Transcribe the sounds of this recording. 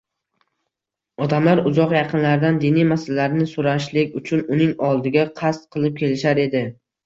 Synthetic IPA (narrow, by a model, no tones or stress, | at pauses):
ɒd̪amlaɾʊzɒqjɑqʰɨnlaɾd̪and̪inijmasalaɾnɪsʊɾaʃlɪkʲʊt͡ʃʰʊnʊnɪŋɒlˠd̪ɪɡʲaqʰast̪̚qʰɨlˠɪp̚kʲʰe̞lɪʃaɾe̞d̪ɪ